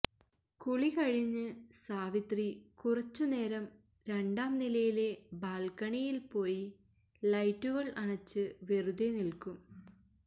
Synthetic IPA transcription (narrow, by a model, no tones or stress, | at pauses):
kuɭikɐɻiɲːɨsaːʋit̪rikurɐt͡ɕːune̞ːɾɐm | ɾe̞ɳɖaːmnilɐjile̞baːlkɐɳijilpo̞ːji | lɐjtːuɣɐɭʔɐɳɐt͡ɕːɨʋe̞ruðenilkum